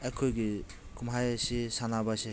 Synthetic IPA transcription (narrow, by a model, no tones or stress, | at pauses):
ekʰːojɡi | kumɦajsisanabase